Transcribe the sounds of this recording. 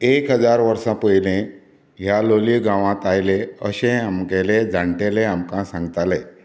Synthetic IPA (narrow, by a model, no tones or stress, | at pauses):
ekɦəd͡zaɾʋəɾsãpəjlẽ | ɦjaloliɡãʋãt̪ajleəɕẽamɡelẽd͡zʱaɳʈeleamkãsãŋɡt̪ale